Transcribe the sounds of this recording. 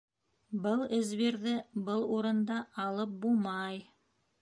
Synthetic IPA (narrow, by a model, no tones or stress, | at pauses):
bɤlˠɘ̆zβiɾðɘbɤlˠuɾɤ̆nd̪ɑɑlˠɤp̚bulˠmɑj